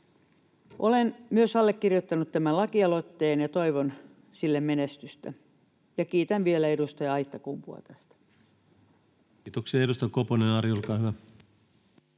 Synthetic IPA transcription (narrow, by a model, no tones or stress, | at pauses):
ʔolenmyøsɑlːekkirjot̪ːɑnut̪t̪æmælɑkiɑlot̪ːeːnjɑt̪oiʋon | silːemmenest̪yst̪æ̰ | jɑkiːt̪ænʋielæedust̪ɑjɑɑit̪ːɑkumpuɑ̰t̪æst̪æ̥ | t̪oksiɑeust̪ɑkoponenɑɾiolkɑːhyʋæ